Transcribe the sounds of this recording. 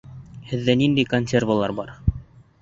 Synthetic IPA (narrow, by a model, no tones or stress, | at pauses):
hɘ̆ðːænind̪æjkonʲsʲervalˠɑɾbɑɾ